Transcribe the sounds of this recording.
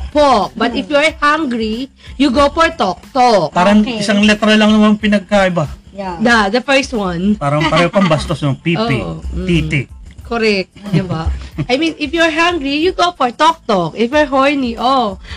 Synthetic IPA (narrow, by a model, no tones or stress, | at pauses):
pok̚bɐt̪ɪfjuɐɹhaŋɡɾi | juɡofɔɹt̪ɔk̚t̪okpaːɾɐɪsaŋlɛt̪ɾɐlɐŋnɐmaŋpɪnɐɡ̚kaʔɪba | d̪ad̪ɐfɛɹst̪̚wɐnpaːɾɐpɐɾɛhopɐmbɐst̪osnoŋpiːoːɪʔo̰t̪it̪ɪkʰoɾɛk̚t̪d̪ɪbaʔajmĩnɪfjuɐɹɦaŋɡɾijuɡofɔɹt̪ɔk̚t̪okʔɪfjuɹɦoɹniʔo